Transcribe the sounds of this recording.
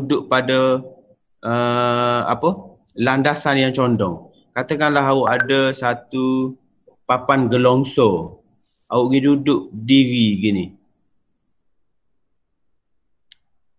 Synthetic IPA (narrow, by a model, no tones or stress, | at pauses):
dʊʔpadə | ʔə | a̰pə | landasanjaŋt͡ʃɔndɔŋ | kat̪əkanlaɦauʔadəsat̪u | papanɡəlɔŋso | ʔaʊʔɡidudʊʔdiɾiɡini